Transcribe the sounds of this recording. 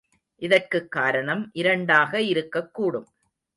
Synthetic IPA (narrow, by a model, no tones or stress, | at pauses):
ʔɪðɐrkɯkːaːɾɐɳɐmʔɪɾɐɳɖaːɣɐɪɾɯkːɐkːuːɽɯm